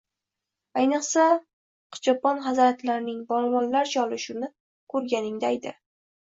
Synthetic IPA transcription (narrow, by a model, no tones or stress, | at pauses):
ajnɨqsa | qʰɨ̥t͡ʃɒpɒnχazɾat̪laɾɪnɪŋbɒlˠvɒnlaɾt͡ʃʰɒlɪʃʊnɪ | kʰɵɾɡʲanɪŋd̪ajd̪ɪ